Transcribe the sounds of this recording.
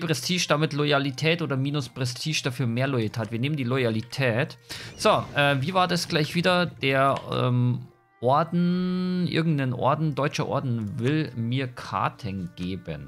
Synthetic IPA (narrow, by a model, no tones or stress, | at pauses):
pʁ̥ɛstʰiːʃd̥amɪtlɔjalitʰɛːtʔoːdɐmiːnʊspʁ̥ɛstʰiːʃd̥afyːɐmeːɐlɔjatʰaːtv̥iːɐneːməndiːlɔjalitʰɛːtz̥oʔɛːviːvaːɐdasɡ̥laɪçv̥iːdɐd̥eːɐɛ̰m | ʔɔɐdn̩ʔɪ̰ɐɡŋ̩tnənʔɔ̰ɐdn̩dɔʏt͡ʃɐʔɔ̰ɐdn̩vɪlmiːɐkʰa̰ːtʰɛnɡ̥eːbə̰n